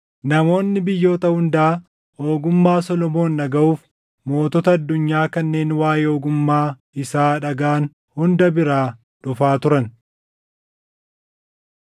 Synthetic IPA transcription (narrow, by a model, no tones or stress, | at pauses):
nɐmo̞ːnːɪbɪjːo̞ːt̪ɐhʊnd̪aː | o̞ːɡʊmːaːsɔlɔmo̞ːnːɐɡɐʔuːf | mo̞ːt̪ɔt̪ɐɐd̪ːʊɲːaːkɐnːe̞ːnwaːjeoːɡʊmːaː | ɪsaːᶑɐɡaːn | hʊnd̪ɐbɪɾaː | ᶑʊfaːt̪ʊɾɐn